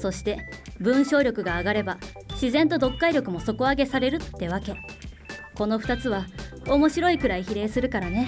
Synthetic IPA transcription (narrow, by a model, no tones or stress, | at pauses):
so̞ɕi̥t̪e̞bɯ̟̃ɰ̃ɕo̞ːɾʲo̞kɯ̟ɡaːɡaɾe̞ba | ɕizẽ̞nt̪o̞d̪o̞kːaiɾʲo̞kɯ̟mo̞so̞ko̞aɡe̞saɾe̞ɾɯ̟t̪ːe̞β̞ake̞ | ko̞no̞ɸɯ̟̥t̪at͡sɨβao̞mo̞ɕiɾo̞ikɯ̟ɾaiçiɾe̞ːsɨɾɯ̟kaɾane̞